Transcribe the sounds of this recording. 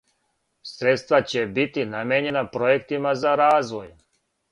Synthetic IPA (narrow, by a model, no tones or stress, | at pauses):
sɾet̪st̪ʋat͡ɕebit̪inameɲe̞napɾojekt̪imazaɾaːzʋoj